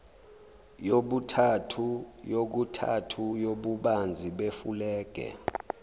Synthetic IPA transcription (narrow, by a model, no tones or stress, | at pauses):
joɓutʰatʰujok̬utʰa̰tʰujoɓuɓand͡zʱiɓefulɛːɡ̥ʱɛ̰